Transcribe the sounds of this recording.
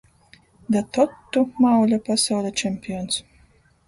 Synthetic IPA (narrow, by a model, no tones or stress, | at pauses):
d̪at̪ɔt̪ːumawlʲapasawlʲɛt͡ʃɛmʲpʲijɔns